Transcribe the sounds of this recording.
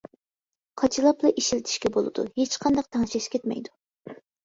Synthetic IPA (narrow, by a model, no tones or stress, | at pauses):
qʰɑt͡ʃʰɨlˠɑplˠɨʔiʃilɪt̪ʰɪ̥ʃkʲɛbolˠɨ̰d̪̥ṵhet͡ʃqʰɑnd̪ɑq̚t̪ʰɑŋʃɛʃkʲʰɛt̪mɛ̰jd̪u